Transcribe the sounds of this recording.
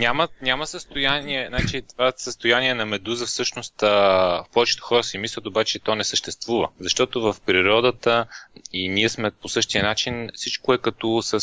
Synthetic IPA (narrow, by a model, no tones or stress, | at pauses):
nʲamənʲaməsəst̪ojaniɛnat͡ʃit̪vasəst̪ojaniɛnɐmɛd̪uzəfsɤʃnost̪əfpɔvɛt͡ʃɛ̥t̪o̥xɔɾəsimislʲɐt̪obat͡ʃɛt̪ɔnɛsəʃt̪ɛst̪vuvə̰zɐʃt̪ɔt̪ovəfpɾiɾɔd̪ət̪əiniɛsmɛposɤʃt̪iənat͡ʃinfsit͡ʃkoɛkɐt̪ɔsə